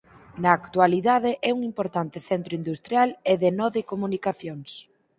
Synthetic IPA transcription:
nɐːkt̪ualiðaðɪʔɛuŋimpoɾt̪ant̪ɪθɛnt̪ɾʊind̪ust̪ɾjaleðɪnɔðekomunikaθjoŋs

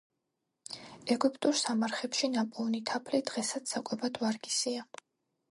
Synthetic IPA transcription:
ɛɡypʼt̪ʼuɾsamaɾχɛpʃinapʼɔnit̪ʰapʰlid̪ʁɛsat̪sʰakʼwɛbad̪vaɾɡisia

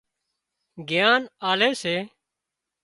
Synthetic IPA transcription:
ɡɪjaːnaːleːseː

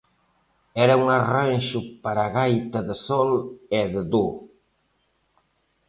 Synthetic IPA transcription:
ɛɾɐuŋaranʃʊpaɾaɣajt̪ɐðɪsɔleðɪðo

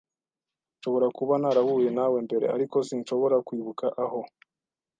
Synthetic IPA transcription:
ʃo̞βo̞ɾakuβanaɾaβuje̞nawe̞mbe̞ɾe̞̰a̰ɾiko̞sinʃo̞βo̞ɾakwiːβukaʔaho̞

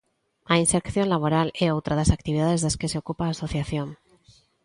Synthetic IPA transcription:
ainseɾkθjo̞nlaβ̞o̞ɾaleowt̪ɾaðasak̚t̪iβiðaðe̞zðeske̞seo̞kupaːso̞θjaθjo̞n

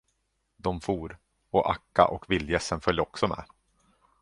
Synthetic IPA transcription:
d̪ɔmfuːɾ | ɔʔakːa̰ʔɔkvɪlːjɛsənfœlʲjəɔksɔmɛ̰ː

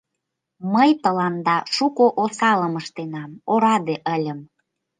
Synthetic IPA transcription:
məjt̪əlɑnd̪ɑʃukoʔosɑləməʃt̪enɑmoɾɑd̪eʔəlʲə̆m

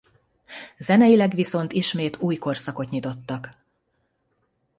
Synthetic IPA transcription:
zɛnɛjilɛɡʋiso̞nt̪iʃmeːt̪uːjko̞rsɒko̞t̪ɲit̪o̞t̪ːɒk

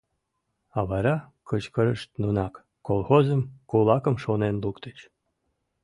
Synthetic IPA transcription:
ɑβɑɾɑkət͡ɕkəɾəʃt̪̚nunɑkːolˠxozəmkolˠɑkə̆mʃonenlukt̪ət͡ɕ

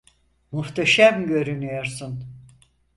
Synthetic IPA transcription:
muht̪ʰaʃamɟø̞ɾynyjoɾsun

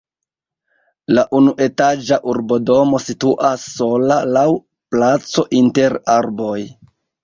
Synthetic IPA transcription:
laʔunuʔe̞tad͡ʒaʔuɾbo̞do̞mo̞situʔasːo̞lalaw | plat͡so̞ʔinte̞ɾaɾbo̞j

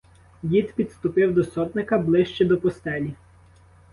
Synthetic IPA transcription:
dʲit̪pʲid̪st̪ʊpɪwd̪ɔsɔt̪nɪkɐblˠɪʃt͡ʃɛd̪ɔpɔst̪ɛlʲi

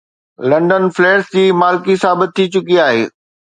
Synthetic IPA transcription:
lɐ̃ɳɖənfleːɾsd͡ʑiːmaːlkisaːbɪt̪̚t̪ʰːit͡ɕʊkiaːɦeː

